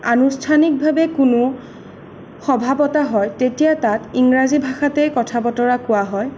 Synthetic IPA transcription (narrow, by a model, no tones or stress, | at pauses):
anustʰanik̚bʱabɛkʊnʊ | xɔbʱabɔtaɦɔjtetijatatiŋɹazibʱaxatɛkɔtʰabɔtɔɹakʊwaɦɔj